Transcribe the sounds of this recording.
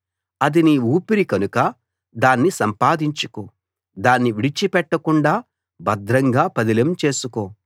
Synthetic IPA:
ɐd̪iniuːpiɾikɐnukɐ | d̪aːnːisɐmpaːd̪iɲt͡ʃu̥koː | d̪aːnːiʋiɽit͡ʃipɛʈːɐkuɳɖaː | bɐd̪ɾɐŋɡaːpɐd̪ilɐmt͡ʃe̞ːsukoː

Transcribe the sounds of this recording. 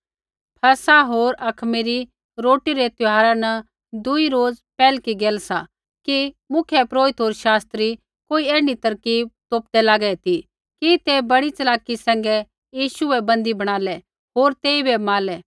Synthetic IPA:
pʰɐsaɦoːɾɐkʰmiɾi | ɾoːʈiɾɛt̪ʊɦaːɾanɐ | d̪ʊiɾoːd͡zpɛːlkiɡeːlsa | kimʊkʰjɛpɾoːɪt̪ɦoːɾʃaːst̪ɾi | koːiɛːɽ̃it̪ɐɾkib̚t̪oːp̚d̪ɛlaːɡɛt̪i | kit̪ebɐɽit͡ʃɐlaːkːisɛ̃ːŋɡɛ | jiːʃʊɛbɐ̃nd̪ibɐɽ̃aːlɛ | ɦoːɾt̪eːibɛmaːlɛ

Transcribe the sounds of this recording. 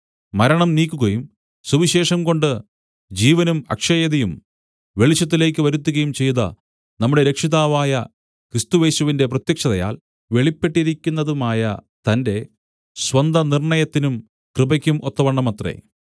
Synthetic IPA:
mɐɾɐɳɐmniːkʲːuɣɐjum | suʋiɕe̞ːʂɐmko̞ɳɖɨ | d͡ʑiːʋɐnumɐ̰kʂɐjɐðɐjum | ʋe̞ɭit͡ɕːɐt̪̬ːile̞ːk̬ʲːɨʋɐɾut̪ːuɣɐjumt͡ɕe̞jt̪ɐ̰ | nɐmːuɽeɾe̞kʂiðaːʋaːjɐ | krist̪uʋe̞ːsuʋinde̞p̬rɐt̪jɐkʂɐðɐja̰ːl | ʋe̞ɭipːe̞ʈːiɾikʲːunːɐðumaːjɐ | t̪ɐnde̞ | swɐnd̪ɐnirɳɐjɐt̪ːinum | krɨbɐkʲːumʔo̞t̪ːɐʋɐɳːɐmɐt̪rḛ

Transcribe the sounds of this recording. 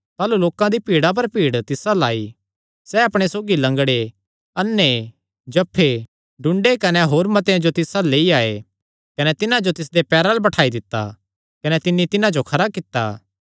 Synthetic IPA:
t̪aːluloːkãd̪ipiːɽap̬ɐɾpiːɽt̪ɪsalaːi | sɛɐpɽ̃esoːɡilɐ̃ŋɡɽe | ɐnːe | d͡ʒɐpʰːe | ɖʊ̃ɳɖekɐneɦoːɾmɐt̪eãd͡ʒot̪ɪsaleːiaːe | kɐnɛt̪ɪnãd͡ʒot̪ɪs̬d̪epɛːɾalbɐʈʰaːid̪ɪt̪ːa̰ | kɐnɛt̪ɪnːit̪ɪnãd͡ʒokʰɐɾakɪt̪ːa̰ː

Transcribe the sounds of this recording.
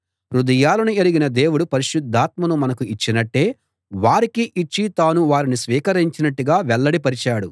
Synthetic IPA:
ɾud̪ɐjaːlɐnueɾiɡinɐd̪e̞ːwuɽupɐɾiʃud̪ʱːaːt̪̚mɐnumɐnɐkuit͡ʃːinɐʈːe̞ː | ʋaːɾikiʔit͡ʃːit̪aːnuʋaːɾinisʋiːkɐɾiɲt͡ʃinɐʈːuɡaːʋɛɭːɐɽipɐɾit͡ʃaːɽu

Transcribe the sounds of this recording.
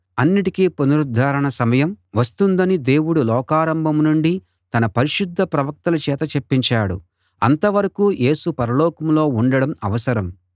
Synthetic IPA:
ɐnːiʈikiponuɾud̪ʱːaːɾɐɳɐsɐmɐjɐmʋɐst̪und̪ɐnid̪e̞ːwuɽulɔːkaːɾɐmbʱɐmnuɳɖi | t̪ɐnɐpɐɾiʃud̪ʱːɐpɾɐʋɐk̚t̪ɐlɐt͡ʃɛːt̪ɐt͡ʃepːiɲt͡ʃaːɽṵ | ɐ̰nt̪ɐʋɐɾɐkuːjʔe̞ːsupɐɾɐlɔːkɐmlo̞ːuɳɖɐɽɐmɐʋɐsɐɾɐm

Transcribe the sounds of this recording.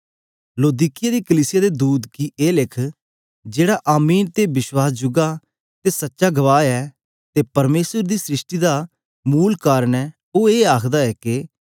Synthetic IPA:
loːd̪iːkɪjaːd̪iːkəliːsɪjaːd̪eːd̪uːd̪kiːʔeːlɪkʰ | d͡ʒeːɽaːʔaːmiːnt̪ebɪswaːsd͡ʒʊɡaː | t̪eːsətːʃaːɡəʋaːɛː | t̪eːpəɾmeːsəɾd̪iːsɾɪʃʈiːd̪aː | muːlkaːɾənɛː | oːeːaːkʰd̪aːɛːkɪ

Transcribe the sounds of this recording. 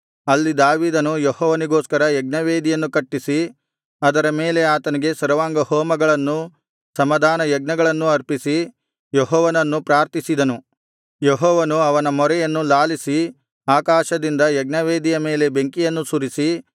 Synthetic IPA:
ɐlːid̪aːʋiːd̪ɐnujehɔːʋɐniɡoːskɐɾɐjɛɡ̚nɐʋeːd̪ijɐnːukɐʈːisi | ɐd̪ɐɾɐme̞ːle̞aːt̪ɐniɡe̞sɐɾɐʋaːŋɡɐhɔːmɐɡɐɭɐnːu | sɐmɐd̪ʱaːnɐjɛɡ̚nɐɡɐɭɐnːuɐɾpisi | jɔɦɔːʋɐnɐnːupɾaːɾt̪isid̪ɐnu | jeɦɔːʋɐnuɐʋɐnɐmɔɾɛjɐnːulaːlisi | aːkaːʃɐd̪ind̪ɐjɛɡ̚nɐʋeːd̪ijɐme̞ːle̞beŋkijɐnːusuɾisi

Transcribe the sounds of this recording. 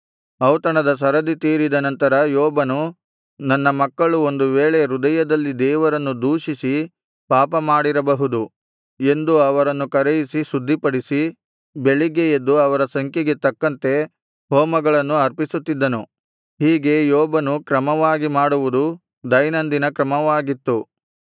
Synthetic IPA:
ɐwt̪ɐɳɐd̪ɐs̬ɐɾɐd̪it̪iːɾid̪ɐnɐnt̪ɐɾɐjɔːbɐnu | nɐnːɐmɐkːɐɭuo̞nd̪uʋeːɭe̞ɾud̪ɐjɐd̪ɐlːid̪ɛːʋɐɾɐnːud̪uːʂisi | paːpɐmaːɽiɾɐbɐɦud̪u | e̞nd̪uɐʋɐɾɐnːukɐɾejisisud̪ʱːipɐɽisi | be̞ɭiɡejed̪ːuɐʋɐɾɐsɐŋkjɐɡe̞t̪ɐkːɐnt̪e̞ | ɦɔːmɐɡɐɭɐnːuɐɾpisut̪ːid̪ːɐnu | ɦiːɡe̞jɔːbɐnukɾɐmɐʋaːɡimaːɽuʋud̪u | d̪ɐjnɐnd̪inɐkɾɐmɐʋaːɡit̪ːu

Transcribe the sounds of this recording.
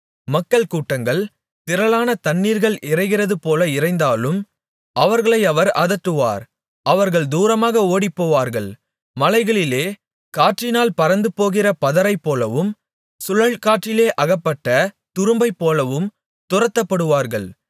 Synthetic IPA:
mɐkːɐɭkuːʈːɐŋɡɐɭ | t̪ɪɾɐlaːnɐt̪ɐɳːiːɾɣɐɭʔɪrɐɪɣɪrɐðɯpoːlɐɪrɐɪnd̪aːlɯm | ɐʋɐɾɣɐɭɐɪɐʋɐɾɐðɐʈːɯʋa̰ːɾ | ʔɐʋɐɾɣɐɭd̪uːɾɐmaːɣɐoːɽipːoːʋaːɾɣɐɭ | mɐlɐɪɣɐɭɪleː | kaːʈt͡ʃɪnaːlpɐɾɐnd̪ɯpoːɣɪrɐpɐðɐɾɐɪpːoːlɐʋɯm | sʊɻɐɭkaːʈrɪleːʔɐɣɐpːɐʈːɐ | t̪ʊɾɯmbɐɪpːoːlɐʋɯm | t̪ʊrɐt̪ːɐpːɐɽɯʋaːɾɣɐɭ

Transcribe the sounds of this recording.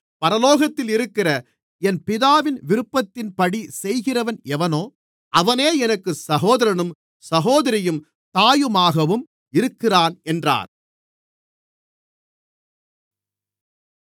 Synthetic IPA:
pɐɾɐloːɣɐt̪ːɪlɪɾɯkːɪrɐ | ɛnpɪðaːʋɪnʋɪɾɯpːɐt̪ːɪnpɐɽisɛjɣɪrɐʋɐnɛʋɐnoː | ʔɐʋɐneːɛnɐkːɯsɐɣoːðɐɾɐɳɯm | sɐɣoːðɐɾɪjɯm | t̪aːjɯmaːɣɐʋɯm | ɪɾɯkːɪraːnɛndra̰ːɾ

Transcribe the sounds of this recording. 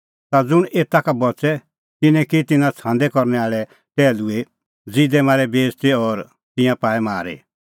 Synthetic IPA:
t̪ad͡zʊɽ̃eːt̪akabɔt͡sɛ | t̪ɪnɛ̃kit̪ɪnãt͡sʰãːnd̪ɛkɔɾnɛaːɭɛ | ʈɛːlue | d͡zid̪ɛmaːɾɛbeːst̪eɔɾ | t̪ɪ̃jãpaːɛmaːɾḛ

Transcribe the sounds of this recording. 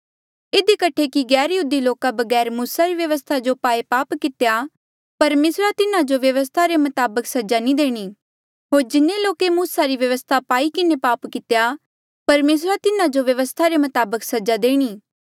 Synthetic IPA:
ɪd̪ikəʈʰekiɡɛːɾjɦuːd̪iloːkabɐɡɛːɾmuːsaɾiʋjɐʋəst̪ʰad͡ʒopaːepaːpkɪt̪eja | pɐɾmeːsɾat̪ɪnãd͡ʒoʋjɐʋəs̬t̪ʰaɾemɐt̪aːbəksɐd͡ʒanĩd̪eːɽ̃iː | ɦoːɾd͡ʒɪnːeloːkemuːsaɾiʋjɐʋəst̪ʰapaːikɪnepaːpkɪt̪ja | pɐɾmeːs̬ɾat̪ɪnãd͡ʒoʋjɐʋəst̪ʰaɾemɐt̪aːbəksɐd͡ʒad̪eːɽ̃iː

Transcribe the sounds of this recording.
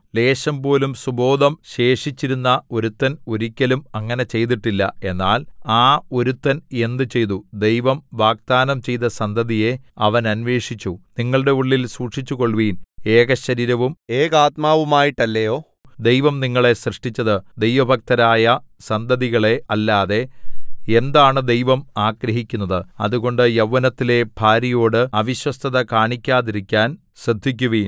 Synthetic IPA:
le̞ːɕɐmpo̞ːlumsubo̞ːd̪ɐmɕe̞ːʂit͡ɕːiɾunːɐo̞ɾut̪ːɐnoɾikʲːɐlumɐŋːɐne̞t͡ɕe̞jt̪̬iʈːilːɐe̞nːaːlaːo̞ɾut̪ːɐne̞nd̪ɨt͡ɕe̞jt̪̬ud̪e̞jʋɐmʋaːɡ̚t̪aːnɐmt͡ɕe̞jt̪ɐsɐnd̪ʱɐðije̞ɐʋɐnɐnʋe̞ːʂit͡ɕːuniŋːɐɭɨɽe̞uɭːilsuːʈʂit͡ɕːuɣo̞ɭʋiːne̞ːɣɐɕɐɾiːɾɐʋumeːkaːt̪̚maːʋumaːjiʈːɐlːɐjo̞ː | d̪ejʋɐmniŋːɐɭe̞srɨʂʈit͡ɕːɐðɨd̪e̞jʋɐbʱɐk̚t̪ɐɾaːjɐsɐnd̪ʱɐðiɣɐɭe̞ɐlːaːðe̞e̞nd̪aːɳɨd̪e̞jʋɐmaːɡɾɐɦikʲːunːɐðɨɐ̰ðuɣo̞ɳɖɨjɐʋːɐnɐt̪ːile̞b̥ʱaːɾijoːɽɨɐʋiɕwɐst̪ʰɐðɐkaːɳikʲːaːðiɾikʲːaːn | ɕrɨd̪ʱːik̬ʲːuʋiːn

